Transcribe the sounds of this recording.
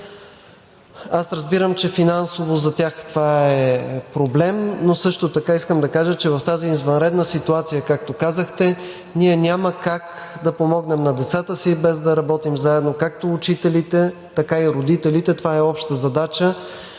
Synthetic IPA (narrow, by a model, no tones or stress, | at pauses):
asɾəzbiɾəmt͡ʃɛfinansovozɐt̪ʲaxt̪ovaɛpɾoblɛmnosɤʃt̪ot̪ɐkaiskəmd̪ɐkaʒət͡ʃɛvɐft̪aziːzvɐnɾɛd̪nəsit̪uat̪sijəkak̚t̪okazəxt̪ɛ | niɛnʲaməkak | d̪ɐpomɔɡnɛmnɐd̪ɛt̪sat̪əsibɛzd̪ɐɾɐbɔt̪imzaɛd̪nokak̚t̪oːt͡ʃit̪ɛlit̪ɛt̪ɐkaiɾod̪it̪ɛlit̪ɛt̪ovaɛɔpʃt̪əzɐd̪at͡ʃə